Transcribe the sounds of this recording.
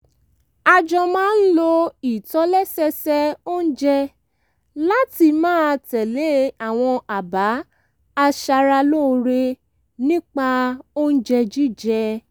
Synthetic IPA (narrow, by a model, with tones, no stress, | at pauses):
a˧d͡ʒɔ̃˧mãː˦n̩˦lo˧i˨tɔ˨˦lɛ˦sɛ˧sɛ˦o˦n̩˦d͡ʒɛ˧ | la˦ti˧mãː˦˧tɛ˨le˦a˦˨w̃ɔ̃˧a˨ba˨˦ | a˧ʃa˧ɾa˧lo˦˧ɾe˧ | nĩ˦k͡pa˧o˦n̩˦d͡ʒɛ˧d͡ʒi˦d͡ʒɛ˧